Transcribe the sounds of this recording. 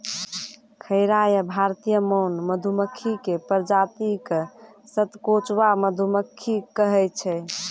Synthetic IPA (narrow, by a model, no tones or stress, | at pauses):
kʰəɪɾajəbʱaɾt̪ijəməwnməd̪ʱuməkʰːikepəɾd͡ʒat̪ik | sət̪kot͡ʃwaməd̪ʱuməkʰːikəɦɛt͡ʃʰɛ